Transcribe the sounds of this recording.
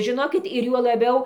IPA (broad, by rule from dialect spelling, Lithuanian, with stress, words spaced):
ʒʲɪˈnoːkʲɪt ɪr juɔ lˠɐˈbʲɛʊ